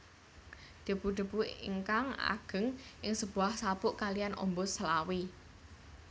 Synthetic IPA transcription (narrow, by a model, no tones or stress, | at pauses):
d̪̥ə̤b̥ud̪̥ə̤b̥uḭŋkaŋa̰ɡ̥ə̤ŋʔɪŋsəb̥ṳahsapʊʔkalijanʔɔ̰mbɔsəlawi